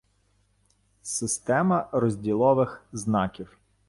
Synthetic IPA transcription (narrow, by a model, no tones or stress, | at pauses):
sɪst̪ɛmɐɾɔzʲdʲilˠɔʋɪxznɑkʲiw